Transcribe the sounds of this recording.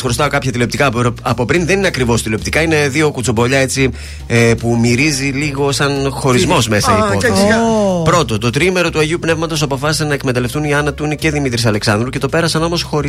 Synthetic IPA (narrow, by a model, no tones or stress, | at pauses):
xɾost̪ɐokɐpçɐt̪ilo̞pt̪ikɐɐpo̞pɾinðenineɐkɾivo̞st̪ileop̚t̪ikɐine̞ðio̞kut͡sobo̞ʎɐe̞t͡si | pumiɾiziliɣo̞sɐnxo̞ɾizmo̞zme̞sɐiko | pɾo̞t̪o̞t̪o̞t̪ɾime̞ɾo̞t̪uɐʝiupne̞vmɐt̪o̞sɐpo̞fɐsi̥senɐekme̞t̪ɐle̞ft̪uniɐnɐt̪uinece̞ðimit̪ɾisɐle̞ksɐnd̪ɾuce̞t̪o̞pe̞ɾɐsɐno̞mo̞sxo̞ɾ